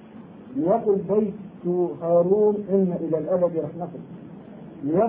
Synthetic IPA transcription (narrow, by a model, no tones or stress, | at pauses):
lɪjɑqʊlbajt̪hɑːɾuːnʔɪnːaʔɪlalʔad̪abiɾˤɑħnɑfʊl | lɪjɑ